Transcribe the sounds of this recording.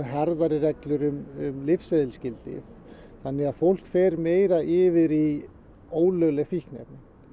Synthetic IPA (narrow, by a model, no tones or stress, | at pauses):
ɦɛɾðaɾɪrɛklʏɾʏmʏmlɪfseðɪlscɪlt̪ɪ̰θ | θanːɪɣaðfowl̥kfɛːɾmeːjɾaʔɪːvɪðɾi | oːwlœɣlɛɣfihknɛ̰pnɪn